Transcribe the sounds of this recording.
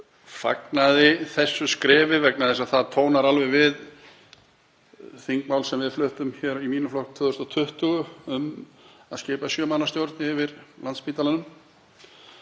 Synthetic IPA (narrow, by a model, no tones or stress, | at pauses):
fa̰knaðɪθɛsːʏskɾɛːvɪvɛknaðɛsaðθaðt̪ʰoːwnaɾalvɛvɪð | θiŋkmawlsɛmvɪðflʏht̪ʏmçɛɾimiːnʏflɔhkt̪ʰvʏːðʏst̪at̪ʰʏht̪ʏɣʏʏmaðscɪːpasjœːmaːnast̪jowɾt̪nɪɪvɪɾlant̪spiːt̪alanʏm